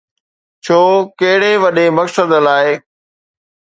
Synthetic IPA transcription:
t͡ɕʰoːkɐɦɪɽeʋɐɗemɐksəd̪laːɪ

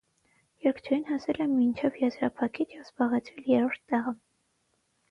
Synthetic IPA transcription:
jɛɾkʰt͡ʃʰɛjinhɑsɛlɛmːint͡ʃʰɛvjɛzɾɑpʰɑkʰit͡ʃʰjɛvz̥bɑʁɛt͡sʰɾɛljɛɾɔɾt̪ʰːɛʁə

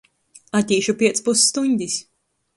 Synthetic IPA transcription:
at̪ʲiːʃupʲiɛt̪spusːt̪uɲʲd̪ʲis

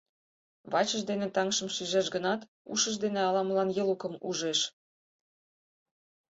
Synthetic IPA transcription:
βɑt͡ɕəʒd̪enet̪ɑŋʃə̆mʃyʒæʃɡə̆nɑt̪ | ṵʃə̆ʒd̪enĕɑlɑmlɑnjɤlukɤ̆muʒeʃ

